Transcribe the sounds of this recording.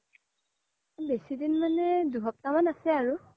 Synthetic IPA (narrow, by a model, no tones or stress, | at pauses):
besidinmanɛduɦɔp̚tamanasɛaɹu